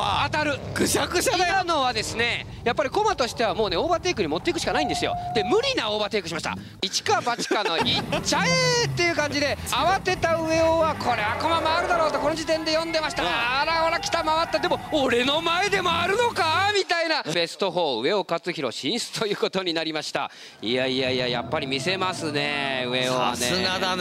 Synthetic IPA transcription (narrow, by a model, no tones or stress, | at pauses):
at̪aɾɯ̟kɯ̟sakɯ̟sad̪ano̞β̞ad̪e̞sɨne̞ | japːaɾʲiko̞mat̪o̞ɕi̥t̪e̞β̞amo̞ːne̞o̞ːbat̪e̞ːk̬ɯ̟ɲ̟imo̞t̪ːe̞ikɯ̟ɕi̥kanaĩnd̪e̞sɨjo̰d̪̥e̞mɯ̟ɾʲinao̞ːbat̪e̞ːkɯ̟ɕimaɕi̥t̪a̰ | it͡ɕi̥kabat͡ɕi̥kanːoit͡ɕaet̪ːe̞jɯ̟kãɲd͡ʑid̪e̞aβat̪e̞t̪aɯ̟e̞oβakʰo̞ɾe̞ako̞mamaːɾɯ̟d̪aɾo̞ːt̪oko̞no̞d͡ʑit̪ẽ̞nd̪e̞jõ̞nd̪e̞maɕi̥t̪aɾaoɾakʲi̥t̪amaβat̪ːad̪e̞mo̞oɾe̞no̞mae̞d̪e̞mo̞aɾɯ̟no̞kamʲit̪ainabe̞sɨ̥t̪o̞ɦo̞ːɯ̟e̞o̞kat͡sɨçiɾo̞̰ɕĩɰ̃sɨ̥t̪ʰo̞jɯ̟ːko̞t̪o̞ɲ̟inaɾʲimaɕi̥t̪a̰ | iaiaija̰ja̰pːaɾʲimʲise̞masɨne̞ɯ̟e̞oβa̰nead̪a